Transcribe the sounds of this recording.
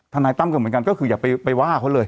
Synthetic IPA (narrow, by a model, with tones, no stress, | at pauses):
t̪ʰa˧naː˧jt̪a˥˩mka˧nmɯ˩˦ə˦ŋka˧nkɔ˥˩kʰɯː˧jaː˨˩pa˧jpa˧jwaː˥˩kʰa˧˦˥lɤː˧j